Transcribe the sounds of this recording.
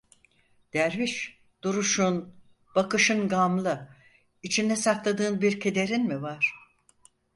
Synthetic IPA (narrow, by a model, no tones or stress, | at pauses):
d̪̥æɾviʃ | d̪̥uɾuʃun | b̥akɯʃɯnɡamlˠɯ | it͡ʃʰind̪ɛsaklˠad̪ɯːnbiɾcʰe̞d̪e̞ɾinmivaɾ̥